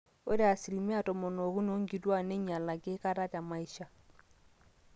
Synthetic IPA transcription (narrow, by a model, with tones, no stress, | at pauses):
o˦ɾa˨si˨li˨mɛ˦a˦˨tɔ˨mɔ˨nɔ˨ɣu˦no˦ŋɡi˨twa˦nɛ˦ɲa˨la˨kɛ˦ka˦ɾa˦ta˨ma˦i˦ʃa˦